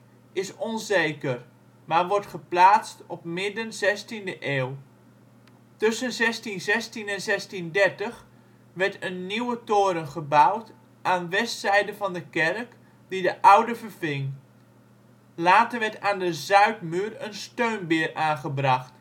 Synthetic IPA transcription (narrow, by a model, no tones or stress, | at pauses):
ɪsɔnzejkər | maːʋɔɹtχəplaːt͡stɔp̚mɪdənzɛstindəʔeːw | tɵsənzɛstinzɛstinɛnzɛstindɛrtəχ | ʋɛɹtənːiwətoːɾənχəbawt | ʔaːnʋɛstsɛjdəvɑndəkɛrk | didəʔawdəvərvɪŋ | laːtəɹʋɛɹtaːndəzœɥtmyːrənstøɥnbɪːraːnχəbrɑχt